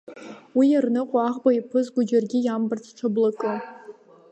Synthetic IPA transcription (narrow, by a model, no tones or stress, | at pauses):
wijarnɨqʷʼaaʁbaipʰɨzɡʷʊd͡ʒarɡʲɪjambɨrt͡sʰʈ͡ʂʷʰablɨkʼɨ